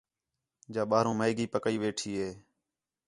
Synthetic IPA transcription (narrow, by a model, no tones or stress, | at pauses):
d͡ʒaːɓaːɾũːməːɡiːpəkəiːʋeːʈʰiːɦeː